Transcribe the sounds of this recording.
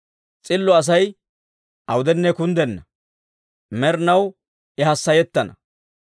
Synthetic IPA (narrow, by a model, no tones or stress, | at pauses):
t͡sʼɪlːɔɐs̬ɐj | ʔɐwʊd̪ɛnːɛkʊnd̪ɛnːɐ | mɛɾnɐw | ʔɛhɐsːɐjɛt̪ːɐnɐ